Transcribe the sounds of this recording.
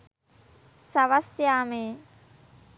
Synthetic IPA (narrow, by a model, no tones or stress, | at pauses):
saʋasjaːmeː